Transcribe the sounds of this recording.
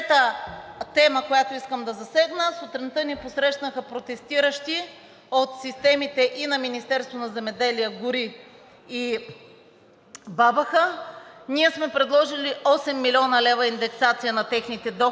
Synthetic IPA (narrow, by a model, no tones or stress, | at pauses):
t̪ət̪ɛməkojat̪oiskəmd̪ɐzɐsɛɡnəsot̪ɾɛnt̪əniposɾɛʃnəxəpɾot̪ɛst̪iɾəʃt̪i | ot̪sist̪ɛmit̪ɛʔinɐminist̪ɛɾst̪vonɐzɛmɛd̪ɛliəɡʊɾiː | babɐxəniɛsmɛpɾɛd̪lˠɔʒiliʔɔsɛmːilʲiɔnɐlɛvɐind̪ɛksat̪sijənɐt̪ɛxnit̪ɛd̪ɔ